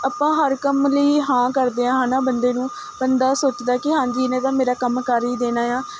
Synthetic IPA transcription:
əːpãːɦəɾkəmləiːɦãːkəɾd̪eːãːɦaːnãːbənd̪eːnũː | bənd̪aːsoːt͡ʃd̪aːkɪɦãːɲd͡ʒiːnẽːt̪ãːmeːɾaːkəmkəɾiːd̪eːnaːjãː

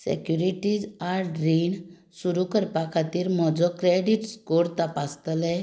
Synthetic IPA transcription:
sɛ̰kjuɾiʈid͡zaɾɖɾiɳ | suɾukəɾpakʰat̪iːɾmɔd͡zɔkɾeɽiʈskoɾt̪apast̪lɛ

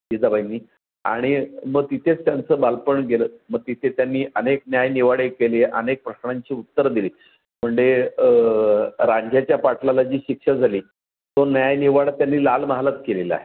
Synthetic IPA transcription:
ɡid͡zabajnːiː | a̰ɽ̃iməɡ̚t̪it̪ʰet͡st̪jant͡səːbalpəɳɡeləːməɡ̚t̪it̪ʰet̪janːiːʔəneknjajniʋaɽekeleʔənek̚pɾəɕɳaɲt͡ɕiːut̪ːəɾd̪iliː | m̤əɳd͡ʑe | ɾaɲd͡ʑjat͡ɕjapaʈlalad͡ʑiːɕikʂəd͡zʱaliː | t̪onjajniʋaɽat̪janːiːlalməɦalat̪kelela̰ɦe

